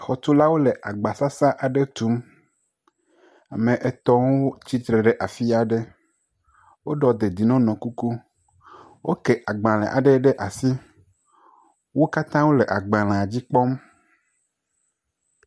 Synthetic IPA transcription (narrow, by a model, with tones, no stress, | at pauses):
xɔ˨t̪u˦la˦wo˦le˨ʔa˨ɡ͡ba˨sa˦sa˦ʔa˨ɖe˦t̪u˨˦m | a˨mẽ˨ʔɛ˨t̪ɔ̃˦wo˦t͡ɕi˦t̪ɾe˨ɖɛ˨ʔa˨fi˦a˨ɖe˦ | wo˦ɖɔ˨d̪e˨d̪i˨nɔ̃˦nɔ̃˨ku˦ku˦ | wo˦ke˨ʔa˨ɡ͡bã˨lɛ̰̃˨ʔa̰˨ɖɛ˦ɖe˦ʔa˨si˦ | wo˦ka˦t̪ã˦wo˦lɛ˨ʔa˨ɡ͡bã˨lã˨d͡ʑi˦k͡pɔ˦m